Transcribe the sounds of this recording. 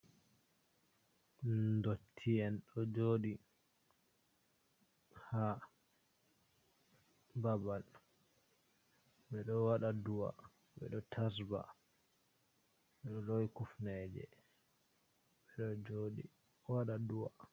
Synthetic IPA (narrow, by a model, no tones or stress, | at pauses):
ndotʰːiɛnɗɔd͡ʒoɗi | ha | babal | ɓɛɗɔwaɗaduwa̰ | ɓɛ̰ɗɔtʰasba̰ | ɓɛɗɔlowkufnɛd͡ʒɛ̰ | ɓɛɗɔd͡ʒoɗi | waɗaduwa